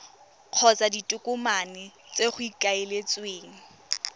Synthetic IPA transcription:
q͡χʰɔt͡saditʼʊkʼʊmanɪt͡seχʊikʼaelet͡sweːŋ̩

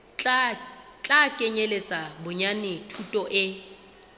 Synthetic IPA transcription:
t͡ɬʼakʼeɲelet͡sʼabʊɲanɪtʰutʼɔʔɪ

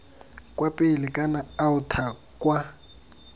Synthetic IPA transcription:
kʼwapʼɪlɪkʼanaːʊtʰa | kʼwa

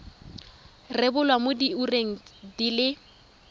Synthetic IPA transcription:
rɪbʊlwamʊdiureŋ̩dilɪ

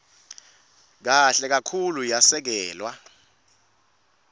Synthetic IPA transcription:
k̬aɬɛk̬akʰulujasɛk̬ɛːlwa

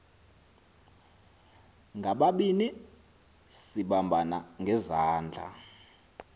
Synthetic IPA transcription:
ŋɡʱaɓaɓini | siɓambʱanaŋɡʱɛzaːnd͡ɮʱa̰

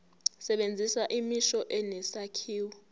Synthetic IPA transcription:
sɛɓend͡zʱiswaʔimiʃɔʔɛnɛsakʰiːwɔ

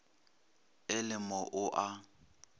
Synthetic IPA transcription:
ɪlɪmɔʔʊʔa

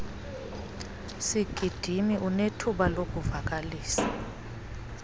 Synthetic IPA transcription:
siɡ̥ʱid̥ʱimiʔunetʰuɓalokʼuvak̬ʼaliːsḁ

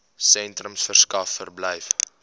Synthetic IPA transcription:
sɛntrəmsfərskɐfːərbləjf

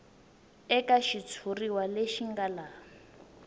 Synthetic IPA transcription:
ɛkaʃit͡sʰuriwaleʃiŋɡalaː

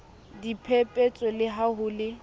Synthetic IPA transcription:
dipʰepʼet͡sʼɔlɪɦaɦʊlɪ

